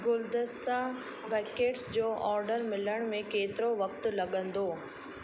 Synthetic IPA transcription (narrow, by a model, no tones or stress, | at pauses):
ɡʊld̪ɪst̪a | bɛːkeːʈsd͡ʑoːʔɔːɾɖəɾmɪləɽ̃mẽkeːt̪ɪɾoʋɐkt̪ʊlɐɠə̃nd̪oː